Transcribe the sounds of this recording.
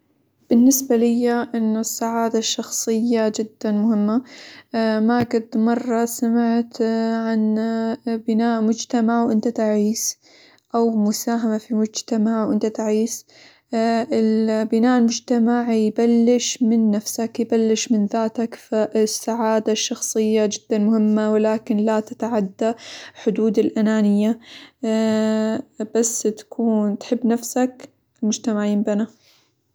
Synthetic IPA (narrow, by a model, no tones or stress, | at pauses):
b̥ɪnːɪsbalɪjːaʔɪnːʊsːaʕaːd̪aʃːɑxsˤɨjːad͡ʒɪd̪ːanmʊhɪmːa | maɡad̪mɑrˤːɑsamɪʕt̪ʕan | bɪnaːʔmʊd͡ʒt̪amaʕwʔɪnt̪at̪aʕiːs | ʔawmʊsaːɦamafimʊd͡ʒt̪amaʕwʔɪnt̪at̪aʕiːs | ʔɪlbɪnaːʔlmʊd͡ʒt̪amaʕjbalːɪʃmɪnːafsakjɪbalːɪʃmɪnðaːt̪akfaʔsːaʕaːd̪aʃːɑxsˤɨjːad͡ʒɪd̪̥ːanmʊhɪmːawɪlaːkɪnlat̪at̪aʕad̪ːaħʊd̪uːd̪ɪlʔanaːnɪjːa | b̥asːt̪ḁkʰuːnt̪ħɪbːnafsak | ɪlmʊd͡ʒt̪amaʕjɪːmbana